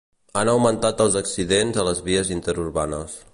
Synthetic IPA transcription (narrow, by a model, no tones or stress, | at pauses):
anəwmənt̪at̪əlˠzəksiðenzələzβiəzint̪əɾurβanəs